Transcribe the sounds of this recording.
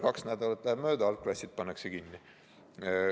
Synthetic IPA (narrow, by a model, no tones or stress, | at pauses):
kɑksnæd̪̥ɑlɑt̪ːˑlæheb̥mø̞ːd̪ɑɑlklɑsʲid̪̥̚pɑnːeksekinːi